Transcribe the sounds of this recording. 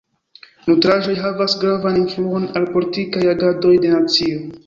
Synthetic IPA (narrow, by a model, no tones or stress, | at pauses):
nutɾaʒo̞jɦavasɡɾavaninfluo̞nalpo̞litikajaɡado̞jde̞nat͡sio̞